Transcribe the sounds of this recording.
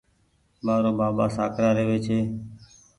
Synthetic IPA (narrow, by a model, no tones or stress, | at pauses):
maːɾõːbaːbaːsaːkɾaːɾeːʋeːt͡ʃʰeː